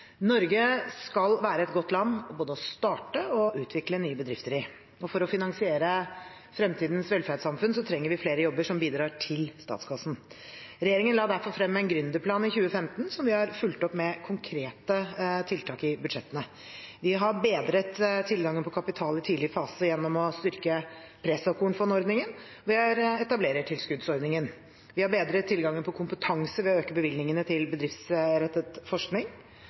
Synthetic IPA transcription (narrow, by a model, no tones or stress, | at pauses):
nɔɾɡəskɑlʋæːɾəɛt̪ɡɔt̪ːlɑnːboːd̪əɔst̪ɑːʈəɔʔʉːt̪ʰʋɪklənyːəbəd̪ɾɪft̪əɾɪ | ɔfɔɾɔfɪnɑŋsɪeːɾə | fɾɛmt̪ʰiːd̪n̩sʋɛlfæɾɖ̪sɑmfʉnsɔt̪ʰɾɛŋːəɾʋɪfleːɾəjɔbːəʂɔmbiːd̪ɾɑːʈʰɪlst̪ɑ̰ːt̪skʰɑsn̩ɾɛjeːɾɪŋənlɑːd̪æɾfɔɾfɾɛmːæɪnɡɾʉnd̪əpʰlɑːnɪçʉːəfɛmt̪n̩sɔmʋɪhɑɾfʉlt̪ɔpːmɛkʰʊŋkʰɾeːt̪ət̪ʰɪlt̪ʰɑːkɪbʉd̪ʂɛt̪ːənə | ʋɪɦɑɾbeːd̪ɾət̪ʰːɪlɡɑŋːənpʰɔkʰɑpɪt̪ʰɑːlɪt̪ʰiːlɪɾfɑːsəjɛnːɔmɔst̪ʏɾkə | pʰɾɛsɔkʊnfɔnɔɾd̪nɪŋən | ɔʋɪhɑɾɛt̪ɑbleːɾəʈʰɪlskʉd̪sɔɾd̪nɪŋən | ʋɪhɑɾbeːd̪ɾət̪ʰːɪlɡɑŋːənpʰɔkʰʊmpət̪ʰɑŋsəʋɪøːkəbəʋɪlnɪŋənət̪ʰɪlbəd̪ɾɪft̪sɾɛt̪ːət̪fɔʂknɪŋ